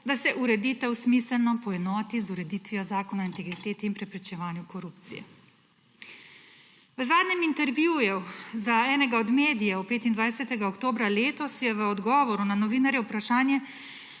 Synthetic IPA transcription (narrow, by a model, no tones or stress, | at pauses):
d̪asɛʔuɾɛd̪iːt̪ɛwsmiːsəlnɔpɔɛnɔːt̪izuɾɛd̪iːt̪ʋijɔzaːkɔnaint̪ɛɡɾit̪eːt̪iːnpɾɛpɾit͡ʃɛʋaːnjukɔɾupt̪sḭjɛ̰ | ʋəzaːd̪nɛmint̪ɛɾʋjuːjɛzaɛːnɛɡaɔd̪meːd̪ijɛɔpeːt̪ind̪ʋajsɛt̪ɛɡaɔkt̪oːbɾaleːt̪ɔsjɛʋəɔd̪ɡɔːʋɔɾunanɔʋiːnaɾjɛwpɾaʃaːnjɛ